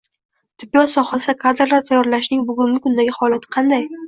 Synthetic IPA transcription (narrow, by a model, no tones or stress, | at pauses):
t̪ʰɪbːijɒsɒχasd̪akʰad̪ɪɾlaɾt̪ʰajːɒɾlaʃnɪŋbʊɡʊŋɡʲɪkʰʊnd̪aɡʲɪhɒlat̪ʰɪ̥qʰɑnd̪aj